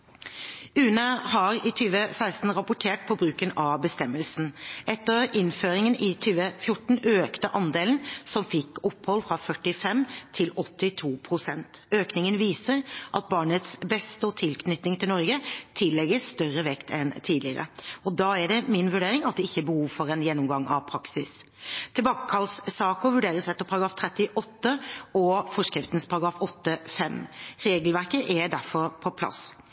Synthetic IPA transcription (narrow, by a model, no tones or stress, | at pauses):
ʉːnəhɑɾɪt̪ʰyːʋəsæɪst̪n̩ɾɑpʊʈʰeːʈ̚pʰɔbɾʉːkənɑbəst̪ɛmːəlsn̩ʔɛt̪ːəɾɪnføːɾɪŋənɪt̪ʰyːʋəfjʊʈɳ̩øːkt̪əʔɑnd̪eːlnsɔmfɪkːɔpːhɔlfʁɑfœʈːɪfɛmt̪ʰɪlɔt̪ːɪt̪ʰuːpʰɾʊsɛnt̪øːknɪŋənʋiːsəɾʔɑt̪̚bɑːɳət̪sbɛst̪əɔt̪ʰɪlkʰnʏt̪nɪŋt̪ʰɪlɔɾɡət̪ʰɪlːɛɡəst̪œɾəʋɛkt̪ʰɛnt̪ʰiːd̪lɪəɾə̰ɔd̪ɑæɖɛmɪnʋʉɖeːɾɪŋɑt̪̚d̪ɛɪçːəɛbəhuːʋfɔɾɛnjɛnːɔmɡɑŋɑ̰ʋpʰɾɑksɪs | t̪ʰɪlbɑːkəkʰɑlssɑːkɔʋʉɖeːɾəsɛt̪ːəpʰɑɾɑɡɾɑːft̪ʰɾɛt̪ːɪʔɔt̪ːəɔfɔʂkɾɪft̪n̩spʰɑɾɑɡɾɑːfɔt̪ːəfɛmɾeːɡəlʋæɾkəʔɛd̪æɾfɔɾpʰɔpʰlɑ̰s